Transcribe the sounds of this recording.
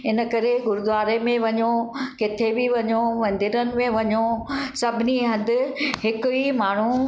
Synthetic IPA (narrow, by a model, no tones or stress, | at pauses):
ɪnə̆kɐɾeɡʊɾʊd̪ʋaːɾemẽʋɐɲokɪt̪ʰebiʋɐɲoʋɐ̃nd̪ɪɾənɪ̆mẽʋɐɲosɐbʱɪniɦɐ̃nd̪ɪ̆ɦɪkʊimaːɳ̤u